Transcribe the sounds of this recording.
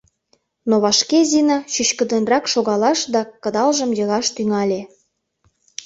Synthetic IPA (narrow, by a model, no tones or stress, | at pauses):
noβɑʃkezinɑɕyɕkə̆d̪ənrɑkʃoɣɑlɑʃd̪ɑkə̆d̪ɑlʒə̆mjɤ̆ɣɑʃt̪yŋɑlʲe